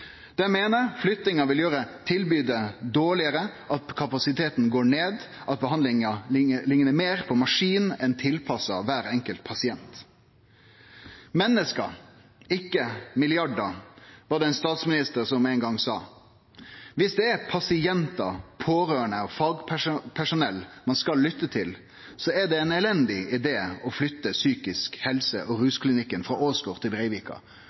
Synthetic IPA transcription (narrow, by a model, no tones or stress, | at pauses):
d̪̥ɛmeːnəɾflʏt̪nɪŋɑʋɪljøːɾət̪ʰɪlbyːd̪əd̪oːɭɪəɾəʔɑt̪kʰɑpɑsɪt̪ʰeːt̪nɡoːɳeːd̪ʔɑt̪̚bəhɑnd̪ɪŋɑɪəlɪŋnəmeːɾpʰɔmɑʂiːnɛnt̪ʰɪlpʰɑsɑ̰ʋæːɾɛŋkəlt̪̚pʰɑsɪɛnt̪ | mɛnːəskɑ̰ | ɪkːəmɪlɪɑɖɑʋɑːd̪ɛæɪnst̪ɑːt̪smɪnɪst̪əʁsɔmæɪŋɡɑŋsɑː | ʋɪsd̪ɛæɾpʰɑsɪɛnt̪ɑpʰoːɾøːəɳəɔfɑːɡpʰæpʰæʂʊnɛlmɑnskɑlːʏt̪ːət̪ʰɪl | sɔɛd̪ɛɛnɛlɛnd̪ɪɪd̪eːɔflʏt̪ːəsyːkɪskhɛlsəʔɔɾʉːskʰlɪnɪkːənfʁɑʔoːsɡoːʁt̪ʰɪlʁɛɪʋiːkɑ̰